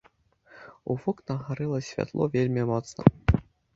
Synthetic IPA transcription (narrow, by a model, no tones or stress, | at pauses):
uvɔknɐɣaɾɨlˠɐsʲvʲa̰t̪lˠɔ̰vʲelʲmʲimɔt̪snɐ̰